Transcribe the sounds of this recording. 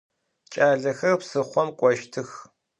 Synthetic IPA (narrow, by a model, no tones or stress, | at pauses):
t͡ʃʼaːɮɐxɐrpsɨχʷɔmkʷʼɔʃtʰɨx